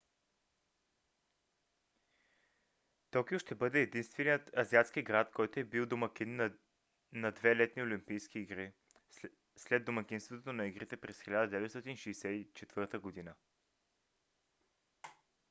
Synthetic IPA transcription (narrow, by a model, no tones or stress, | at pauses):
t̪ɔkioʃt̪ɛbɤd̪ɛːd̪inst̪vɛnijət̪ɐziat̪sk̟ʲiɡɾat̪kʰɔjt̪oɛbilˠd̪omɐkʲinː | nɐd̪vɛlɛt̪niolimpijskiːɡɾi | slɛd̪omɐkinst̪vot̪ot̪onɐiɡɾit̪ɛpɾɛsxilʲad̪əd̪ɛvɛt̪st̪ɔt̪inʃɛjsɛit͡ʃɛt̪vɤɾt̪əɡod̪inə